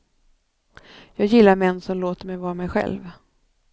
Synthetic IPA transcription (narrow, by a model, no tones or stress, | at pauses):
jɑːɡjɪlːaɾmɛnːsɔmloːt̪əɾmɛjvɑːɾamɛjɧɛ̰lv